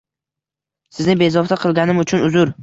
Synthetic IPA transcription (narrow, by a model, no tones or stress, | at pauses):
sɪznɪbe̞zɒft̪ʰaqʰɨlˠɡʲanɪmʊt͡ʃʰʊnʊzʊɾ